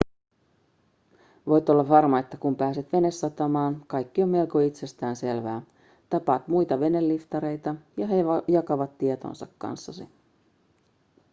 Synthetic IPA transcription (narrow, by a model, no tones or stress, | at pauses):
ʋo̞jt̪o̞lːɑʋɑrmɑe̞t̪ːækumpæːset̪ʋe̞ne̞sːɑt̪ɑmɑːnkɑjkːio̞mmelkoit̪se̞st̪æːnse̞lʋæː | t̪ɑpɑːt̪mujt̪ɑʋe̞ne̞lːift̪ɑɾe̞jt̪ɑjɑɦejɑkɑʋɑt̪ːiet̪o̞̰ːnsɑ̰kːɑ̰nsːɑsḭ